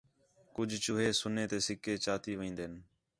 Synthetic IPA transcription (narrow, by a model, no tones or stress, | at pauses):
kʊd͡ʒʱt͡ʃʊɦeːsʊneːt̪eːsɪkeːt͡ʃaːt̪iːʋĩːnd̪eːn